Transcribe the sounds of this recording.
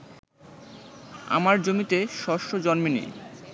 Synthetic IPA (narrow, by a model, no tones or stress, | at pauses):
a̰maɾd͡ʑomit̪eʃɔʃod͡ʑɔnminḛ